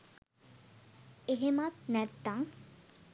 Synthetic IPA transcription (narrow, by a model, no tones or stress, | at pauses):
eɦemat̪nɛt̪ːaŋ